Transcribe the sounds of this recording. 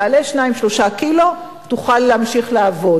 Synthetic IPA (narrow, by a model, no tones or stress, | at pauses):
aleʃnaimʃlo̞ʃakilo̞ | tuχalːeamʃiχlaːvo̞